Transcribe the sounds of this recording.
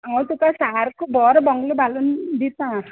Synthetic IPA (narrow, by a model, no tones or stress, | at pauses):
aŋɔwt̪ukasaaɾkubɔɾbɔŋɡlubʱalund̪it̪ã